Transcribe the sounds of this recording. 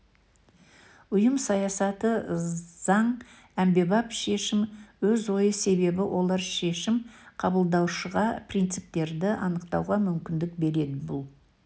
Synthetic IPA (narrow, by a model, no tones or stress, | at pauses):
ʊjəmsɑjɑsɑt̪əz̥ɑɴ | æmbe̞bɑpʃe̞ʃɪmwɵzwo̞jəse̞βe̞bɪwʔo̞lˠɑɾʃe̞ʃɪmqʰɑbəlˠd̪ɑwʃəʁɑprijnt̪sɨp̚t̪e̞ɾd̪ɪʔɑ̰nəqt̪ɑwʁɑmʏmkʲɪnd̪ɪk̚be̞ɾe̞d̪ɪbʊlˠ